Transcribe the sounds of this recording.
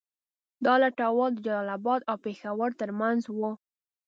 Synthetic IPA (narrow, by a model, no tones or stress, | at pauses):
d̪ɑlaʈawɑd̪əd͡ʒalɑlabɑd̪awpexawəɾt̪əɾmanzwo